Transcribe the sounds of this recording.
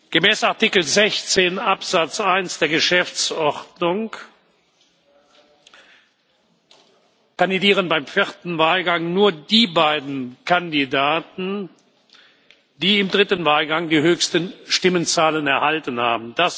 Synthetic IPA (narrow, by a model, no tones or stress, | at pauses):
ɡ̥əmɛːsaɐtɪkl̩zɛçt͡seːnʔapz̥at͡sʔaɪnsd̥eːɐɡəʃɛft͡sɔʁdnʊŋ | kandidiːʁ̞ənbaɪmfɪʁtn̩vaːlɡaŋnuːɐdiːbaɪdn̩kʰandidaːtn̩ | d̥iːɪmdʁɪtən̩vaːlɡaŋdiːɦøːçstənʃtɪmənt͡saːlənɛɐhaltənha̰ːbm̩d̥as